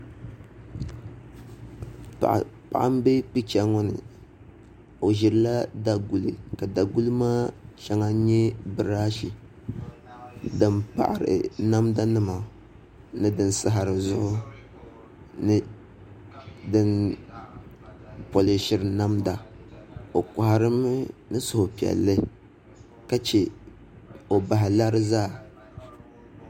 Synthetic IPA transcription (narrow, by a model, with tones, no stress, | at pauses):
pa̰˨ʔa˦m˦be˦pi˦t͡ʃa˦ŋɔ˦nɨ̰˨ | o˨ʒɪ˨ɾɨ˨˦la˦da˨ɡu˨lɨ˨ka˨da˨ɡu˦lɨ˦maː˦ʃa˦ŋa˦ɲɛ˦bɨ˨ɾa˦ʃi˨ | dɨ˨mpa̰˨ʔa˨ɾɨ̰˨na˦mda˦nɨ˦ma˨ | nɨ˦dɨ˨nsɨ˦ɦa˨ɾɨ˨zʊ˦ʔʊ˦ | nɨ˦ | dɨ˦n | po˨lɪ˨ʃɪ˨ɾɨ˨na˦mda˨ | o˨ka˨ha˨ɾɨ˦m˦nɨ˦sʊ˨hʊ˨pi˨ɛ̰˨lːɨ˦ | ka˦t͡ʃe˨ | o˨ba˨ɦɪ˨la˦ɾɨ˦zaː˦˨